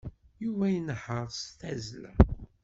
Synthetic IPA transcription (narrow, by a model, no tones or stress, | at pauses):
juvæjənħəɾˤst̪æzlæ